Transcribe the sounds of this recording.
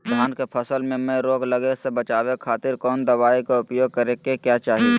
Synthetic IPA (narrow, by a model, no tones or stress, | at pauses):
d̪ʱjaːnkepʰəsəlmẽmẽɾoːɡləɡesebət͡ʃaːwekʰaːt̪ɪɾkɔːnd̪əʋaːikaʊpjoːɡ̚kəɾẽkekjaːt͡ʃaːɦie